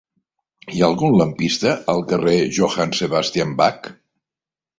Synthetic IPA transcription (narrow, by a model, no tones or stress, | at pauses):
iaːlˠɣunləmpist̪əəlˠkəreʒoxanseβast̪iambak